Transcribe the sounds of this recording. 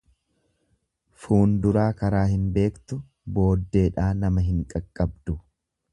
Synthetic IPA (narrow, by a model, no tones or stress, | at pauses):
fuːnd̪ʊɾaːkɐɾaːhɪnbe̞ːkt̪ʊ | bo̞ːd̪ːe̞ːᶑaːnɐmɐɦɪŋkʼɐkʼːɐbd̪ʊ